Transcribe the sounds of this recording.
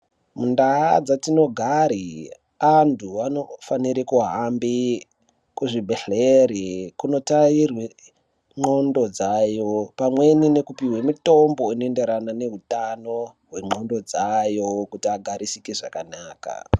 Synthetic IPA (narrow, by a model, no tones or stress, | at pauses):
mundaad͡zatino̞ɡʱaɾi | antʰuano̞faniɾikuɦambi | kuʐibʱeɬeɾikuno̞tairwe | ŋ͡ǃo̞ndo̞d͡zajo̞pamwe̞nine̞kupiwemito̞mbo̞inoende̞ɾanane̞ɦutano̞ɦwe̞ŋ͡ǃo̞ndo̞d͡zajo̞kutiaɡʱaɾisikeʐakanaːka̰